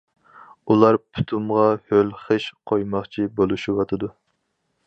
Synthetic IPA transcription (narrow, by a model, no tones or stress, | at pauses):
ulˠɑɾpʰu̥t̪ʰumʁɑhølχəʃqʰojmɑχt͡ʃʰibolˠuʃiwɑt̪ʰɨd̪u